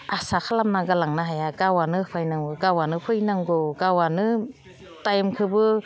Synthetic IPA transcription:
asakʰalamnaɡalaŋnaɦajaɡawanɯpʰajnaŋɯɡawanɯpʰɯjnaŋɡɔɡawanɯ | tajmkʰɯbɯ

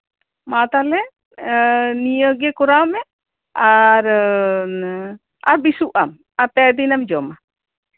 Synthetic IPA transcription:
mat̪alɛ | nijəɡɛkɔɾaɔmɛ | aɾ | aɾbisuʔam | aɾp̪ɛɾd̪inamd͡ʒɔma

